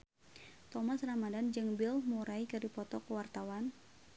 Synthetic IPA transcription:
t̪ɔmasramadand͡ʒɨŋbilmuɾaikɨdipɔt̪ɔkəwart̪awan

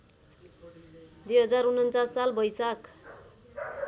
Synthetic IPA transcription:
d̪ujɦʌd͡zaɾunʌnt͡sasːalbʌjsak

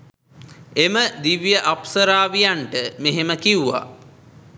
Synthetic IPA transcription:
eməd̪iʋjəʔapsəɾaːʋijaɳʈəmeɦeməkiuʋa̰

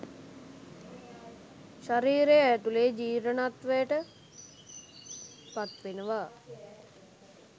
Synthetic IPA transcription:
ʃaɾiːɾejəːt̪uleːd͡ʒiːɾənat̪ʋəjəʈə | pat̪ʋenəʋaː

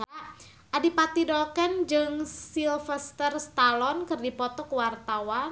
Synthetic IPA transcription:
ʔadipat̪idɔlkɛnd͡ʒɨŋsilfɛst̪ərst̪alɔnkɨrdipɔt̪ɔkəwart̪awa

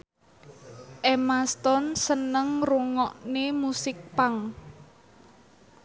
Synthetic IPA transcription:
ʔemast̪ɔnsənəŋruŋɔʔnemusɪk̚paŋ

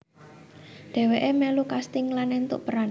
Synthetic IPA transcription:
dɖ̪̥ɛ̤weʔemɛlukast̪ɪŋlanent̪ṵʔpəɾan

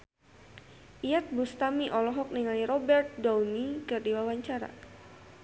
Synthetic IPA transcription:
ʔijat̪̚bust̪amiʔɔlɔɦɔk̚niŋaliɾɔbɛrt̪̚dawnikɨrdiwawaɲt͡ʃaɾa̰

